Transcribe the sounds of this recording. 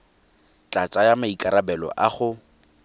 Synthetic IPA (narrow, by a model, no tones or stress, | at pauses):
t͡ɬʼat͡sʼajamaikʼaɾabɛlɔ̰ʔaχʊ